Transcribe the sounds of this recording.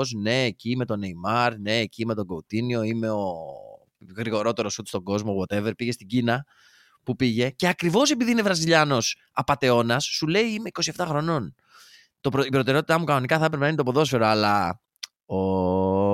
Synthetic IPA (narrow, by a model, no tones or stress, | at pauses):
osne̞ːcime̞t̪o̞neimɐɾne̞ːcime̞t̪o̞ɡout̪inio̞ime̞o | ɣɾiɣo̞ɾo̞t̪e̞ɾo̞sut̪e̥st̪o̞ɡo̞zmoɣwot̪eveɾpiʝe̞st̪iɟinɐ | pupiʝe̞ce̞ɐkɾivo̞se̞piðiine̞vɾɐziʎɐno̞s | ɐpɐt̪e̞o̞nɐsːule̞iime̞iko̞sie̞ft̪ɐxɾo̞no̞n | t̪o̞pɾoipɾo̞t̪e̞ɾeo̞t̪it̪ɐmukɐno̞nikɐθɐepɾepenɐint̪opoðo̞sfe̞ɾoɐlɐ | o